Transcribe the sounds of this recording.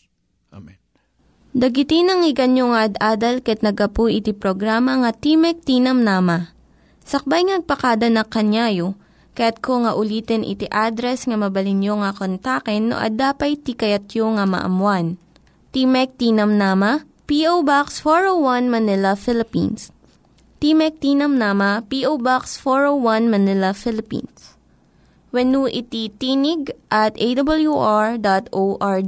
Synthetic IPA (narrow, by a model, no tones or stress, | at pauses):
d̪ɐɡɪt̪ɪnɐŋɪɡɐnjoŋɐʔɐd̪aːd̪ɐlkɐɛt̪̚nɐɡɐpujʔɪt̪ipɾoɡɾaːmɐŋɐt̪imɛk̚t̪iːnɐmnaːmɐ | sɐk̚bajŋnɐɡ̚pɐkad̪ɐnɐkɐnjaːjo | kɐjat̪̚koŋɐʔʊliːt̪ɛnʔɪ̰t̪iʔaːd̪ɾɛsŋɐmɐbɐlɪnjoŋɐkont̪akɛnːo̰ʔɐ̰d̪aːpɐjt̪ikɐjɐt̪joŋɐmɐ̰ʔɐ̰mwan | t̪imɛk̚t̪iːnɐmnaːmɐ | piʔowbaksfoɹowwɐnmɐnɪlɐfɪlɪpḭns | t̪imɛk̚t̪iːnɐmnaːmɐpiʔowbaksfoɹowwɐnmɐnɪlɐfɪlɪpḭns | wɐnuʔɪt̪it̪iːnɪɡʔɐt̪ejd̪ɐbɐljuʔaɹd̪at̪oʔaɹ